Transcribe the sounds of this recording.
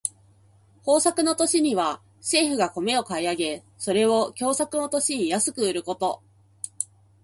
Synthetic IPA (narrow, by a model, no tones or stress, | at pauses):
ho̞ːsakɯ̟no̞t̪o̞ɕiɲ̟iβa | ɕe̞ːɸɯ̟ɡako̞me̞o̞kaiaɡe̞ | so̞ɾe̞βo̞kʲo̞ːsakɯ̟no̞t̪o̞ɕiɲ̟ijasɨkɯ̟ɯ̟ɾɯ̟ko̞t̪o̞